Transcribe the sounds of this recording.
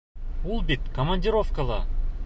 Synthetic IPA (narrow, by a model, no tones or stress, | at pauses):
ulˠbit̪komɐnʲdʲɪɾofkəlˠa